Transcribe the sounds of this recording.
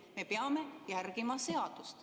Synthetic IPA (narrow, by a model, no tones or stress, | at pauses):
me̞peɑme̞jærɡimɑse̞ɑd̪̥ust̪